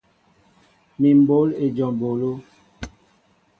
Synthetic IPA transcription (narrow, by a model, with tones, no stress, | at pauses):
mi˨m˦bo˨˦le˨d͡ʒɔ˨m˨bo˨lo˦